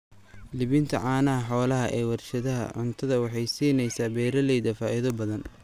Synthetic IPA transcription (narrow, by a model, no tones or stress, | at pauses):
lɪβɪnt̪ʰɐʕɑːnɐɦɐħɔːlɐɦɐʔɛːwɑrʃɐðɐɦɐ̰ʕʊnt̪ʰɐðɐwɑħɑjsiːnɛjsaːbɛːɾɐlɛjðɐfaːʔɪðɔbɐðɐn